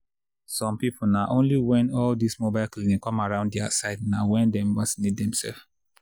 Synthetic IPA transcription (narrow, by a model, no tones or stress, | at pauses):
sɔ̃mpipʰonaʔõnliwɛ̃nɔldismobaɪlklĩnĩŋkːɔ̃maɹãʊ̃nddɛa̰saɪdnawɛ̃ndɛmvasinit̚dɛ̃msɛ̰lf